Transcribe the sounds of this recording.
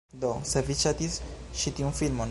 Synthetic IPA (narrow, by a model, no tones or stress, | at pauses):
d̪osavit͡ʃat̪isʃit̪iũnfilmon